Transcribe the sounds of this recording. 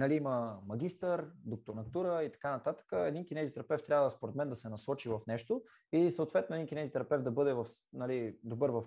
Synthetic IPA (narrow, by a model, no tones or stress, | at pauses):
nɐliiməmɐɡ̟ʲist̪əɾd̪ok̚t̪oɾnɐt̪uɾəit̪ɐ̥kanɐt̪at̪ə̥kəɛd̪inkʲinɛzit̪ɾɐpɛft̪ːɾʲavəd̪əspoɾɛt̪mɛnd̪ɐsɛnɐsɔt͡ʃivɐfnɛʃt̪o | isəot̪vɛt̪noɛd̪inkʲinɛzit̪ɾɐpɛfd̪ɐbɤd̪ɛvɐfnɐlid̪obɤɾvɐf